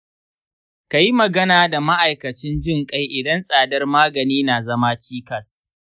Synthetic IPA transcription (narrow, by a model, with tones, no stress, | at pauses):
ka˨ji˦mɐ˨ɡɐ˦naː˨da˨ma˦ʔa˨jkɐ˨t͡ʃɪ˦nd͡ʒɪ˦˨ŋkʼa˦jʔɪ˨dɐ˦nsʼaː˨dɐ˦rmaː˦ɡɐ˨niː˦naː˨zɐ˦ma˦t͡ʃiː˦kɐ˨s